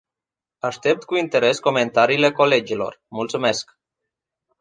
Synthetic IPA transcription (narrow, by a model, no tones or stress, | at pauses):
ast̪ep̚t̪̚kuint̪eɾeskomẽnt̪aɾilekoled͡ʒilo̰ɾmulsmesk